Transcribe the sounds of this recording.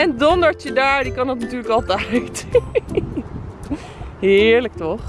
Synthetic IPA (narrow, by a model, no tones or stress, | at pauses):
ɛndɔndəɹt͡ʃədaːɹdikɑnɑtnatyːɹləkɑlˠtɛjt | ɦɪːɹlək̚tɔχ